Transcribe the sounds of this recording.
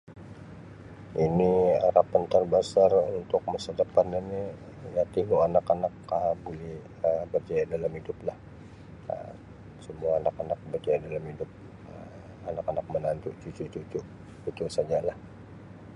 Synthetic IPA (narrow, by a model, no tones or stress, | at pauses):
inia̰ɾapant̪ərbasarunt̪ʊk̚məsardəpanini | jat̪iŋuanakanak̚abulɪh | əbərd͡ʒajadalamhidʊplah | ə̰m | səmuaːnakanak̚bərd͡ʒajadalamidʊp̚ | ə | anakanak̚mənant̪uʔt͡ʃut͡ʃut͡ʃut͡ʃʊʔ | t͡ʃut͡ʃʊsad͡ʒalah